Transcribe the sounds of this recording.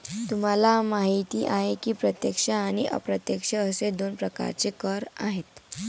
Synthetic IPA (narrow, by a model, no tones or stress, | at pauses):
t̪um̤alamaɦit̪iːʔaɦekiːpɾət̪jekʂəaɽ̃iʔə̰pɾət̪jəkʂəːsed̪onpɾəka̰ɾt͡ɕekəɾaɦet̪